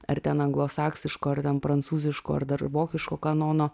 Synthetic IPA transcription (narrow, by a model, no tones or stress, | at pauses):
ɐɾt̪ʲɛnɐŋɡlˠoːsɑːksʲɪʃkoːɐɾt̪ʲɛnpɾɐnt̪suːzʲɪʃko̰ːɐ̰ɾd̪ɐɾʋoːkʲɪʃkoːkɐnoːnoː